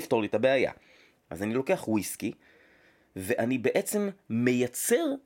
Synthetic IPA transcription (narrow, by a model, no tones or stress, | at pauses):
fto̞litabeaja̰ | ʔa̰zanilo̞ke̞aχwiski | ve̞ʔanibe̞ʔe̞t͡se̞mːe̞jat͡se̞ʁ